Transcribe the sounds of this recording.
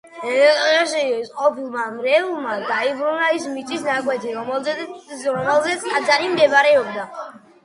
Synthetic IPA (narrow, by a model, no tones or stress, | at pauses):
ʃisqʼɔpʰilˠmamɾɛulˠmad̪aibɾunaismit̪ʼisnakʼwɛt̪ʰiɾɔ | ɾɔmɛlˠzɛt̪sʰkʼad̪zaɾimd̪ɛbaɾɛɔb̚d̪a